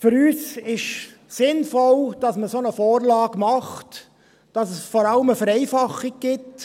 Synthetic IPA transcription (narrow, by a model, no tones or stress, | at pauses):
fʏɾyːsɪʃ | sɪnfɔld̥ɑsməsonəfoːɾlɑːɡ̥mɑχt | d̥ɑsəsfɔɾɑləməfəɾɛɪfɑχiɡ̚ɡ̥ɪt